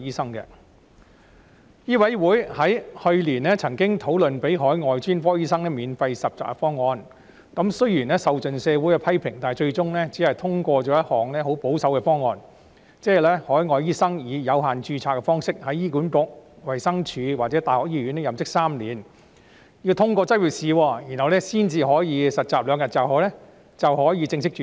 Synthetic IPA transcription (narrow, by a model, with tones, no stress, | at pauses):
jiː˥sɐ˥ŋkɛ̰˧ | jiː˥wɐ˨˥jwuː˨˥jhɐ˨˥jhɵ˧ɥliː˨˩nlɛː˥t͡sʰɐ˨˩ŋkɪ˥ŋt̪ʰo˨˥wlɵ˨npe˨˥jɦɔː˨˥jŋɔː˨jt͡ʃyː˥nfɔː˥jiː˥sɐ˥ŋnɛː˥miː˨nfɐ˧jsɐ˨p̚t͡sɔ̰˨kfɔː˥ŋːɔː˧n | kɐ˨˧˥msɵ˥ɥjiː˨˩nɛː˥sɐ˨wt͡sɵ˨nsɛː˨˧wuː˨˥jkɛ˧pʰɐ˥jpʰɪ˨˩ŋt̪aː˨jt͡ʃɵ˧ɥt͡sʊ˥ŋlɛː˥t͡siː˨˥hɐ˨jt̪ʰʊ˥ŋkʷɔː˧t͡ʃɔː˨˥jɐ˥t̚hɔː˨˩ŋnɛː˥ho˨˥wpo˨˥wsɐ˨˥wkɛ˧fɔː˥ŋːɔː˧n | t͡sɛː˥ɛ˨lɛː˥hɔː˨˥jŋɔː˨jiː˥sɐ˥ŋjiː˨˧jɐ˨˧wɦaː˨˩nt͡ʃyː˧t͡sʰaː˧˩kːɛ˧fɔː˥ŋsɪ˥k̚hɐ˨˥jiː˥kuː˨˥nkʊ˨k̚wɐ˨˩jsɐ˥ŋt͡ʃʰyː˨˧waː˨t̚t͡sɛː˨˥t̪aː˨jhɔː˨k̚jiː˥jyː˨˥nɛ˥jɐ˨mt͡sɪ˥k̚saː˥mliː˨n | ji˧wt̪ʰʊ˥ŋkʷɔː˧t͡sɐ˥wyː˨˩k̚siː˨˧wɔː˧jiː˨˩nhɐ˨wlɛː˥siː˥nt͡siː˧ɦɔː˨˥jiː˨˧sɐ˨t̚t͡saː˨p̚lœː˨˧ŋjɐ˨t̚t͡saː˨wɦɔː˨˥lɛː˥ | t͡sɐ˨wɦɔː˨˥jiː˨˧t͡sɪ˧ŋsɪ˥k̚t͡ʃː